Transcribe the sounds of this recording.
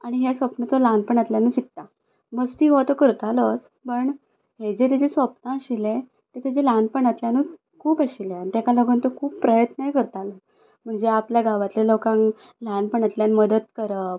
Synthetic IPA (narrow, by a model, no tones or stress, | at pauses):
aɽ̃iɦasʋəpnət͡sɔlanpəɳat̪ljanuːt͡ɕit̪tːa | məsʈ̪iːɦot̪əkəɾt̪alət͡s | pəɳ | ɦed͡zet̪ed͡ʑesʋəpnãəɕile | t̪et̪ʰed͡ʑelanpəɳat̪ljanuː | kʰuːpəɕileait̪akaləɡunt̪əkʰuːpːɾəjət̪nəɦekəɾt̪alə | m̤əɳd͡zeapljaɡaʋat̪lelokãŋ | lanpəɳat̪ljanməd̪ət̪kəɾəp